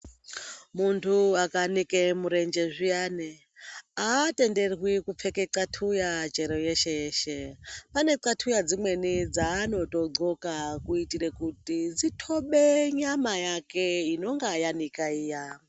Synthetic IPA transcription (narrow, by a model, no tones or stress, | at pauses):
muntʰuakanikemuɾe̞nd͡ʒe̞ʐijaːne | ate̞nde̞rwikup͡fe̞ke̞ǀatʰujat͡ʃeɾo̞je̞ʃejeːʃepane̞ǀatʰujad͡zimwe̞nid͡zaːno̞to̞ɡ͡ǀo̞kakuitiɾekutid͡zitʰo̞ɓeɲamajakeino̞ŋɡajanikaiːja